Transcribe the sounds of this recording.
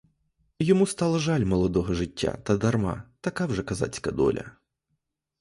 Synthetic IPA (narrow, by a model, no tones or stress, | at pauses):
jɔmust̪ɑlˠɐʒɑlʲmɔlˠɔd̪ɔɦɔʐɪtʲːa̰t̪ɐd̪ɐrmɑ̰t̪ɐkɑwʒɛkɐza̰t͡sʲkɐd̪ɔ̰lʲʔɐ̰